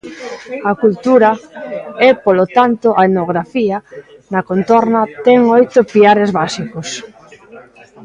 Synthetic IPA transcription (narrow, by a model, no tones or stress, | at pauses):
akult̪uɾɐ | ɛpolot̪ant̪oʔaenoɣɾafia | nɐkont̪ɔɾnat̪ɛŋojt̪opiaɾezβasikos